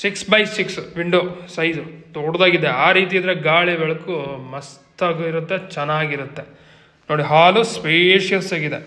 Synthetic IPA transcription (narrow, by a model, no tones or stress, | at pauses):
siksbɐjsiksʋiɳɖoːsɐjd͡ʒut̪oːɽd̪aːɡid̪eaːɾiːt̪̬iɐd̪ɐɾeɡaːɭeʋɛɭɐkumɐstt̪aːɡiɾut̪ːet͡ʃɛnːaːɡiɾut̪ːe | noːɽiɦaːluspeːʃjɐlsaːɡid̪e